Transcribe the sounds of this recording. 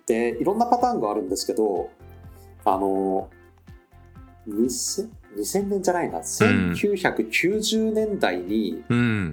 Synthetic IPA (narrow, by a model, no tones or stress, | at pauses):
t̪e̞iɾõ̞nːapat̪aːŋɡoaɾɯ̟̃nd̪e̞sɨ̥ke̞d̪o̞ | a̰no̞ | ɲiseɲ̟isẽ̞nːẽ̞ɲd͡ʑanaina̰sẽ̞ŋkʲɨːçakɯ̟kʲʰɨːʑɨːnẽ̞nd̪aiɲ̟i